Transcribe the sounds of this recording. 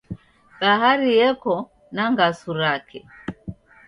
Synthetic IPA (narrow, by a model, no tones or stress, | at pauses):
baɦaɾijɛkɔ | naŋɡasuɾakʰɛ